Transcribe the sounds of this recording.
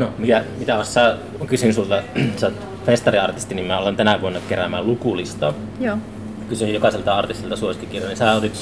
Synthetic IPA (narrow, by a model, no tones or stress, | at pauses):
nomik̪æmit̪æost̪sæː | kysynsult̪ɑsɑt̪ | fest̪ɑriɑrt̪ist̪inimmæolent̪ænæʋuonːɑkeræmælukulist̪ɑ | kysyjjokɑselt̪ɑɑrt̪ist̪ilt̪ɑsuosi̥t̪ːikirjɑnisæːot̪it̪